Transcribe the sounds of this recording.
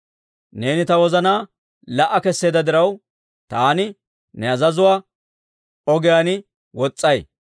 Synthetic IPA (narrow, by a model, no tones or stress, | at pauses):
ne̞ːnɪt̪ɐwɔzɐnaː | lɐʔɐkɛsːeːd̪ɐd̪ɪɾɐw | t̪aːnɪ | nɛɐzɐzʊwaː | ɔɡɪjaːnɪ | wɔt͡sʼːɐj